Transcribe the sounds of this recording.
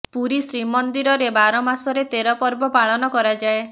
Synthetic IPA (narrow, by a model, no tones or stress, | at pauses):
puɾisɾimɔnd̪iɾɔɾebaɾɔmasɔɾet̪eɾɔpɔɾbɔpaɭɔnɔkɔɾad͡ʒae